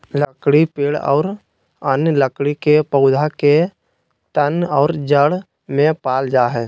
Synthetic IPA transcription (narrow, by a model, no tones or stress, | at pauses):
ləkɽipeːɽɔ̰ːɾ | ənləkɽikepəʊd̪ʱake | t̪ənɔːɾd͡ʒəɽ | mẽpaːld͡ʒaːɦɛː